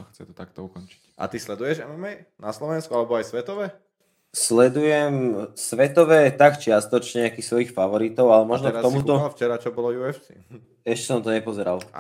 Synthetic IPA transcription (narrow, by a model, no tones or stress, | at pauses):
xt͡sɛt̪ɔ̥t̪ak̚t̪ɔukɔnt͡ʃi̥cʔa̰t̪islɛd̪ujɛʒɛmɛmɛj | naslɔʋɛnskualɛbɔajsʋɛt̪ɔʋɛ | slɛd̪ujɛmsʋɛt̪ɔʋɛːt̪akt͡ʃɪast̪ɔt͡ʃɲɛakisʋɔjixfaʋɔɾit̪ɔʊalɛmɔʒnɔkktɔmut̪ɔft͡ʃɛɾat͡ʃɔbɔlɔjuɛfsi | ɛʃcɛsɔnt̪ɔɲɛpɔzɛɾa̰l̰